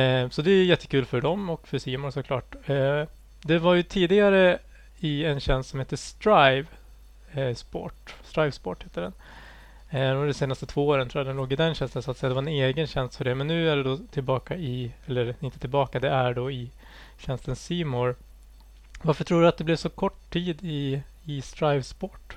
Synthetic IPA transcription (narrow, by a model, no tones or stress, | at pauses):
sɔd̪ɛæjɛt̪ʰːə̥kʉːlfœɖɔmɔkːfœʂiːmɔɾsɔkʰlɑ̰ːʈː | d̪ɛvaɾjɵt̪ʰiːd̪ɪɡaɾə | ɪɛnɕɛnst̪sɔmheːt̪ːəʂt̪ɾajv | spɔ̰ːʈst̪ɾajvspɔːʈheːt̪ːəɖɛn | d̪ɛnseːnast̪ət̪ʰv̥oːoːɾənt̪ʰɾuːad̪ɛnloːɡɪd̪ɛnɕɛnst̪ənsɔat̪sɛjad̪ɛvaɾɛneːɡənɕɛnst̪fœɖɛmɛnːʉ̟ːæɖɛd̪ɔt̪ʰɪlbɑːkaɪɛlːəɾɪnt̪ət̪ʰɪlbɑːkad̪ɛæɖɔɪ | ɕɛnst̪ənsiːmɔɾ | vaɾfəʈʰɾuːɖɵat̪̚d̪ɛblɛvsɔkʰɔʈʰːiːd̪ɪ | ɪst̪ɾaɪvspɔʈː